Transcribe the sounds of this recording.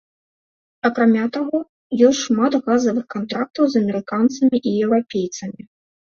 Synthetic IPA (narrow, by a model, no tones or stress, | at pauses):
ɐkɾamʲat̪aɣɔ | jɔsʲtʲʂmat̪ɣazɐvɨxkant̪ɾak̚t̪ɐwzɐmʲɛɾɨkant̪sɐmʲiʔijɛwɾapʲejt̪sɐmʲi